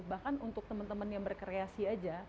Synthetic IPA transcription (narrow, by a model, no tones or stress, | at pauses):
bahkanunt̪ʊk̚t̪əmənt̪əmənjaŋbərkəɾeasiad͡ʒa